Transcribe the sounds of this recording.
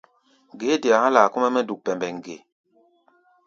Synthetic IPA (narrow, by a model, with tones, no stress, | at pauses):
ŋ˨ɡe˨˦de˨a˨a˦laː˨ku˦mɛ˦mɛ˦du˨k̚pɛ˨mbɛ˨ŋ˨ɡe˨